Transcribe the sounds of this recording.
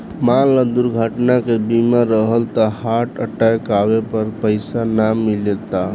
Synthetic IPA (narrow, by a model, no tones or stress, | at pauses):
malːəd̪uɾɡʱəʈnakebimaɾəɦəlt̪ɔhaʈəʈajkabepəɾpəɪsanamilet̪a